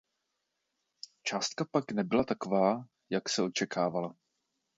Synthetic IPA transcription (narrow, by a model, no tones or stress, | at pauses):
t͡ʃaːst̪̚kapaknɛbɪlat̪ako̞vaː | jaksɛo̞t͡ʃɛkʰaːvala